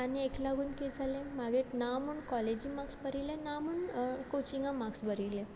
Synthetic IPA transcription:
anieklaɡuːnked͡zʱalẽmaɡeʈnamuːɳkɔled͡ʑimaksbəɾilẽnamuːɳkot͡ɕiŋɡãmaksbəɾile

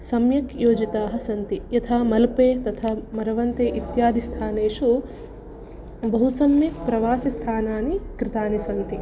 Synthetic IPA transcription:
sɐmjɐkjoːd͡ʒit̪aːɦɐ̆sɐnt̪ijɐt̪ʰaːmɐlpeːt̪ɐt̪ʰaːmɐɾɐʋɐnt̪eːʔit̪jaːd̪ist̪ʰaːneːʂu | bɐɦusɐmjɐpɾɐʋaːsist̪ʰaːnaːnikɾɪt̪aːnisɐnt̪i

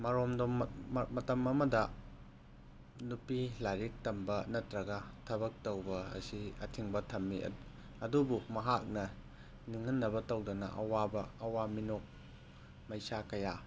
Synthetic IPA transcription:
mɐɾomdommɐtɐmɐmɐdɐ | nupilaɾik̚tɐmbɐnɐtɾɐɡɐtʰɐβɐk̚towbɐɐ̰siɐtʰiŋbɐtʰɐmːḭ | ɐdubumɐɦak̚nɐ | niŋɐnːɐbɐtowdɐnɐ̰ʔɐ̰wabɐːwaminok̚ | mɐjsakɐja

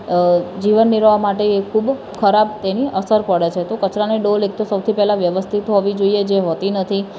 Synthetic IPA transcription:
d͡ʒiʋənːiɾʋamaʈeekʰub | kʰəɾabt̪eniʔəsəɾpəɽet͡ʃʰet̪okət͡ʃɾaniɖolek̚t̪osəwt̪ʰipɛɦlaʋjəʋəst̪ʰit̪ɦoʋid͡ʒoied͡ʒeɦot̪inət̪ʰi

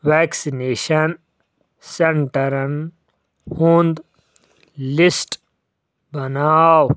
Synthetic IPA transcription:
ʋeːksineːʃɐn | seɳʈɐɾɐn | hũnd̪ | lisʈ | bɐnaːw

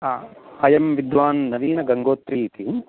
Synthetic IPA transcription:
ɐjɐmʋid̪ʋaːnnɐʋiːnɐɡɐŋɡoːt̪ɾiːt̪i

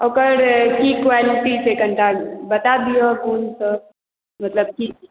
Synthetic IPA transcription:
okəɾkikʋaliʈit͡ʃʰekəɳʈalbət̪ad̪ijɔɡunsə | mət̪ləb̚ki

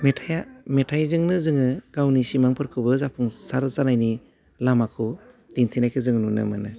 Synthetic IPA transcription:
metʰajametʰajzɯŋnɯzɯŋɯɡ̥awnisimaŋpʰɯɾkʰɯbɯzapʰuŋsaɾzanajni | lamakʰu | d̥intʰinajkʰɯzɯŋnunɯ̰mɯnɯ

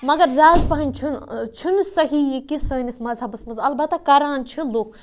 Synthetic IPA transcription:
mɐɡɐɾzaːiɾpɐɦɐnʲt͡ʃʰunt͡ʃʰinɨsɐɦiːjikisəːnismɐzɦɐbɨsmɐzɐlbɐt̪ːɐkɐɾaːnt͡ʃʰiloːk

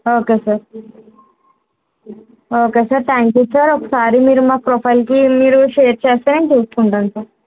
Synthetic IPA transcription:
oːkeːsaːɾ | oːkeːsaːɾt̪ʰaːŋkjuːsaːɾoɔkɐsaːɾimiːɾumaːpɾopʰɐjlkimiːɾuʃeːɾt͡ʃeːst̪aːɾɐnit͡ʃuːsu̥kuɳʈaːnsaːɾ

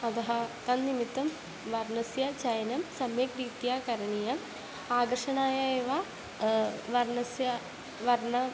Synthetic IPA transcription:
ɐd̪ɐɦɐk̪ɐnnimit̪ːɐm | ʋɐɾnɐsjɐt͡ɕɐjɐnɐmsɐmjekɾiːt̪jaːkɐɾɐɳijɐm | aːɡɐrʂɐɳaːjɐeːʋa | ʋɐɾɳɐsjɐ | ʋɐɾɳɐ

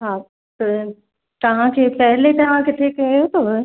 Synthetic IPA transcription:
ɦaː | t̪ɐ | t̪ɐʋ̤ãkʰeːpɛɦlet̪ɐʋ̤ãkɪʈ̪ʰekːjot̪o

